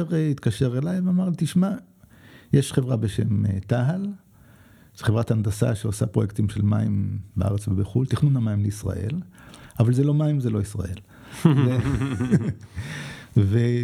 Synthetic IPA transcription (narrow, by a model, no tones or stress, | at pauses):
eʁeit̪kaʃe̞ʁelajveamaʁlit̪iʃma | jeʃχevʁabeʃemet̪aɦal | z̥eχevʁatand̪asa̰ʃeosapʁojek̚t̪imʃelma̰imbeʔa̰ʁet͡svebeχult̪iχnunamaimleisʁa̰ʔe̞̰lʔavalzelo̞maimzelo̞isʁa̰ʔe̞̰l | e | ve